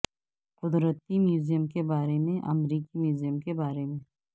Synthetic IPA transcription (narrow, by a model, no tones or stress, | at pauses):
qʊd̪ɾət̪imjuːzijəmkebaːɾemẽʔɐ̰mɾiːkimjuːzijəmkebaːɾemẽ